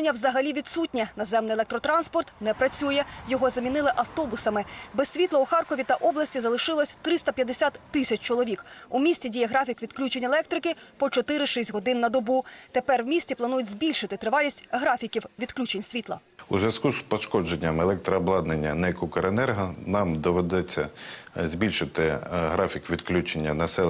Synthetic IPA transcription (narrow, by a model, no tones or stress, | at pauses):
nʲːɐwzɐɦɐlʲiʋʲid̪sut̚ʲnʲinɐzɛmnɪjelˠɛk̚t̪ɾɔt̪ɾɑnspɔrt̪nɛpɾɐt͡sʲujɛjɔɦɔzɐmʲinɪlˠɪʔɐwt̪ɔbʊsɐmɪbɛsʲsʲʋʲit̪lˠɐuxɑrkɔʋʲit̪ɐʔɔblˠɐsʲtʲizɐlˠɪʃɪlˠɔsʲt̪ɾɪst̪ɐpʲjɐd̪esʲat̪ːɪsʲɐt͡ʃʲt͡ʃɔlˠɔʋʲikumʲisʲtʲidʲijɛɦɾɑfʲikʋʲid̪klʲut͡ʃenʲelˠɛk̚t̪ɾɪkɪpɔt͡ʃɔt̪ɪɾɪʃisʲtʲɦɔd̪ɪnːɐd̪ɔbut̪epɛrwmʲisʲtʲiplˠɐnujʊtʲzʲbʲilʲʃɪt̪ɪt̪ɾɪʋɑlʲisʲtʲɦɾɑfʲikʲiwʋʲid̪klʲut͡ʃenʲsʲʋʲit̪lˠɐ̰ | uzʋʲɐskuspɔʃkɔd͡ʒenʲːɐmelˠɛk̚t̪ɾɐːblˠɑd̪nenʲːɐnɛkukɐɾenɛrɦɐnɑmd̪ɔʋed̪ɛt͡sʲːɐzʲbʲilʲʃɪt̪ɪɦɾɑfʲikʋʲid̪klʲut͡ʃenʲːɐnɐsɛ